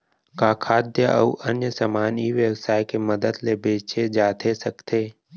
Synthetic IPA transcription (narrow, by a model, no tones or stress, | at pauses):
kaːkʰaːd̪jəʔə̰uʔənjəsamaːniʋjəwəsaːjkeməd̪əd̪lebeːt͡ʃed͡ʒaːt̪ʰesəkt̪ʰeː